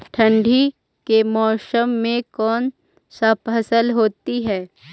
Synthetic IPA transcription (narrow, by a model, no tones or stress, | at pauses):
ʈʰɐ̃ɳɖʱi | kemɔːsəmːẽkɔːn | sɐpɦɐsəlɦoːt̪iɦɛː